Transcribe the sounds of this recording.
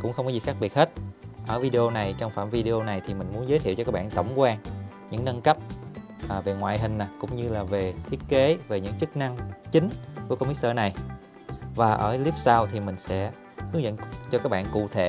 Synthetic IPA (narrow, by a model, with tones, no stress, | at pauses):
kʊ̰˧˥ŋ͡mxə˧wŋ͡mkɔ˨˦zi˨˩xaː˦˥k̚ɓi˨˩ət̚he˦˥t̚ʔəː˧˩vi˧ɗe˧o˧na˨˩jt͡ɕɔ˧wŋ͡mfaː˧˩mvi˧ɗe˧o˧na˨˩jt̪ʰi˨˩mï˨˩ŋ̟mu˨˦ənzəː˦j̪t̪ʰḭ˧˨wt͡ɕɔ˧kaː˦˥k̚ɓa̰ː˧˨nt̪ə˧˩wŋ͡mkwaː˧n | ɲɨ̰˧˥ŋnə˧nkə˦˥p̚ | ʔve˨˩ŋwa̰ː˧˨jɦï˨˩ŋ̟na˨˩jkʊ̰˧˥ŋ͡mɲɨ˧laː˨˩ve˨˩t̪ʰi˦˥ət̚ke˨˦ve˨˩ɲɨ̰˧˥ŋt͡ɕɨ˦˥k̚na˧ŋt͡ɕï˨˦ŋ̟ku˧˩˦kmi˦˥t̚səː˧na˨˩j | vaː˨˩ʔəː˧˩li˦˥p̚saː˧wt̪ʰi˨˩mï˨˩ŋ̟sɛ̰˧˥ | hɨ˨˦əŋzə̰˧˨nt͡ɕɔ˧kaː˦˥k̚ɓa̰ː˧˨nkṵ˧˨t̪ʰe˧˩˨